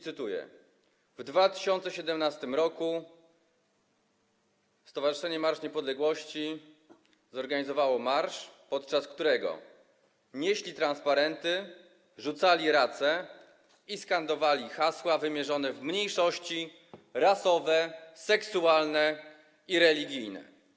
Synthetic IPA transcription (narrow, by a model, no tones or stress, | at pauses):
t̪ɘt̪ujɛ̰ | vd̪vat̪ɘ̥ɕɔnt̪sɛɕɛd̪ɛmnast̪ɘmɾɔku | fst̪ɔvaʐɨʂɛɲɛmaɾʂɲɛpɔd̪lɛɡwɔɕt͡ɕi | zɔɾɡaɲizɔvawɔmaɾʂpɔt̪̚t͡ʂaskt̪uɾɛɡɔ̰ | ɲeɕlʲit̪ɾanspaɾɛnt̪ɘ | ʐut̪salʲiɾat̪sɛ | iskand̪ɔvalʲixaswavɘmʲjɛʐɔnɛvmɲejʂɔɕt͡ɕi | ɾasɔvɛsɛksualnɛ | iɾɛlʲiɡʲijnɛ̰